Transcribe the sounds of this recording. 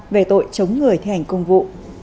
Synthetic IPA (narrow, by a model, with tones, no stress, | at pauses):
ve˨˩t̪o̰˧˨jt͡ɕə˨˦wŋ͡mŋɨ˨˩əjt̪ʰi˧ha˨˩jŋ̟kə˧wŋ͡mvṵ˧˨